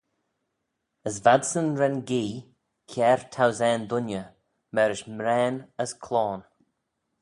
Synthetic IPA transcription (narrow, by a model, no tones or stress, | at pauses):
əsvad̪sənɾɛnɡiː | kʰɛːɹt̪ʰawzɛːnd̪ʊnjə | mɛɾɪʃmɾɛːnəskʰlɔːn